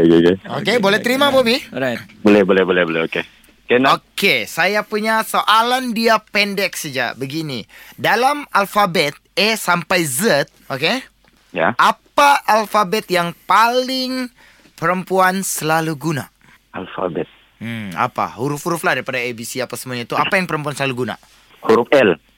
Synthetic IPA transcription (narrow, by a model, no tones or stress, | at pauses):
eɡeɡɛokebolɛt̪əɾimabobiɾajbolɛhbolɛhbolɛhbolɛɦoke | kɛnokesajapuɲasoʔalandiapɛndɛk̚səd͡ʒa̰ʔbəɡinidalamalfabɛt̪̚ɛsampajzət̪̚oke | ja̰ʔapaʔalfabɛt̪̚jaŋpalɪŋ | pəɾəmpuansəlaluɡuna̰ | ʔalfa̰bɛt̪̩̚ | a̰pa̰huɾʊfhuɾʊfladaɾipadaebisiapasəmuaɲait̪uapajaŋpəɾəmpuansəlaluɡuna̰ | huɾʊfɛl